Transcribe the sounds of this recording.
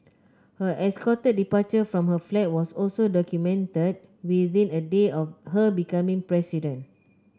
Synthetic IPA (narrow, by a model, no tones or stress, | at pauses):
həʔɛskɔtəd̚dipat͡ʃəfɹɔ̃mhəflɛt̚wɔsɔlsodɔkjumɛ̃ntəd̚ | wiðĩnədeɔfhəbikãmĩŋpɹɛsidə̃n